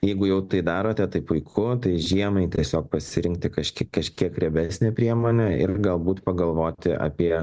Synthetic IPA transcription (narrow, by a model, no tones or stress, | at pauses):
jɛɪɡʊjɛʊt̪ɐɪd̪ɑːɾoːt̪ʲɛt̪ɐɪpʊɪkʰʊt̪ɐɪʒʲiɛmɐɪt̪ʲiɛsʲoːk̚pɐsʲɪɾʲɪŋʲk̚t̪ʲɪkɐʃʲkʲɪkɐʃʲkʲiɛkɾʲɛbʲæsʲnʲeːpʲɾʲiɛmoːnʲɛɪɾɡɐlˠbuːt̪pɐɡɐlˠʋoːt̪ʲɪʔɐ̰ːpʲiɛ